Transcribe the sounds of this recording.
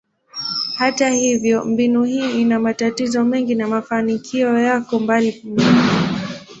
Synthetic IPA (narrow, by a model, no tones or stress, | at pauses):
hatahivjɔmbinuhiːinamatatizɔmɛŋɡinamafanikʰiɔjakɔmbalikumin